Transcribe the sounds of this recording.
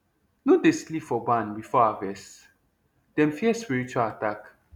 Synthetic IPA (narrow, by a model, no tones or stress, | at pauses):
nud̪ɪsklifɔbanbifɔavɛs | d̪̥ɛmfiɛswiɹit͡ʃuatak